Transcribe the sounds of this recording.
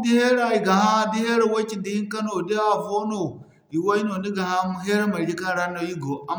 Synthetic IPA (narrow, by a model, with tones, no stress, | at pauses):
di˦he˦ɾa˦i˨ɡa˨ha˦di˦he˦ɾe˦we˦t͡ʃi˦ndi˦i˦ŋkɐ˦no˨de˦a˨vo˦no˨ | i˨wo˦i˦no˨ndi˦ɡa˨ha˦mu˦ɦe˦ɾe˦ma˨ɾi˦ka˦ɾa˦no˦i˦ɡo˨a˨m